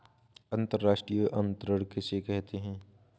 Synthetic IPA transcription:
ɐ̃nt̪əɾːaːʃʈɾijəʔɐ̃nt̪ɾəɽkesekɛɦt̪eɦɛ̃ː

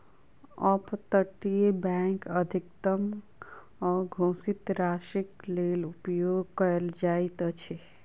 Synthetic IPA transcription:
ɔpt̪əʈijebɛ̃ːŋkəd̪ʱik̚t̪əm | ɔːɾɡʱõːsit̪ɾaːʃikleːlupjoːɡkəɾəld͡ʒaːit̪ət͡ʃʰe

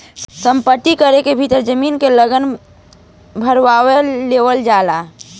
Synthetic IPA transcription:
sə̃mpət̪ːikəɾekebʱit̪əɾd͡ʒəminkeləɡən | bʱəɾʋaweleʋəld͡ʒaːla

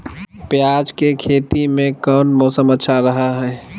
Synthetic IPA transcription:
pjaːd͡ʒkekʰeːt̪imẽkɔːnmɔːsəmətːʃʰaɾɐɦaɦɛː

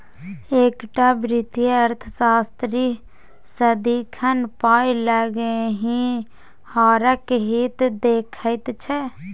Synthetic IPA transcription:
eːkʈaːbɾɪt̪ijəɾt̪ʰəsaːst̪ɾiː | səd̪iːkʰənpaːiləɡɦĩ | haːɾəkɦiːt̪d̪eːkʰəit̪t͡ʃʰɛ

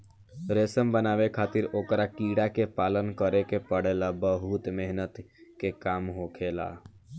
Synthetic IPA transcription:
ɾeːsəmbənaːʋekʰaːt̪ɪɾoːkɾakiːɽakepaːlənkəɾekepəɽeːlabəɦʊt̪meɦnət̪kekaːmɦoːkʰeːla̰

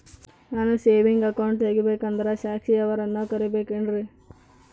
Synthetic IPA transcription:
naːnuseːʋiŋɡɐkɐwɳʈɦeːɡibeːkɐnd̪ɐɾeʃaːkʂiɐʋɐɾɐnːukɐɾibeːkeɳɖɾi

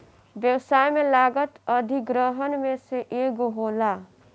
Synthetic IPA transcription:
bjəwsajmelaɡət̪əd̪ʱiɡɾəɦənmeseʔeɡoɦola

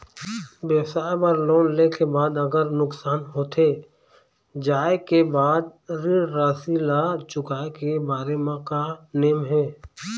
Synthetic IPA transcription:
beːsaːepəɾloːnlekebaːd̪ɐɡəɾnʊksaːnɦoːt̪ʰe | d͡ʒaːekebaːd̪̚ɾiːɽɾaːsilat͡ʃʊkaːekebaːɾemãkaneːmɦɛː

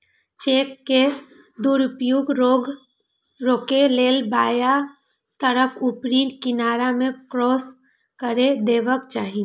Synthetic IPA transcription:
t͡ʃeːkːe | d̪uːɾʊpjuɡoɡ | ɾoːkeleːlbaːja | t̪əɾəfʰʊpɾiːnʈkɪnaːɾamẽkɾɔːs | kəɾed̪eːʋəkt͡ʃaːɦi

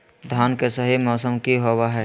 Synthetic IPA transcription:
d̪ʱjaːnkesəɦimɔːsəmkiɦowaɦɛ

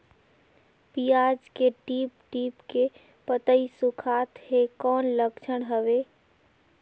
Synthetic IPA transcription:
piad͡ʒkeʈip̚ʈipke | pət̪əisukʰat̪hekɔnləkt͡ʃʰəɽɦəbe

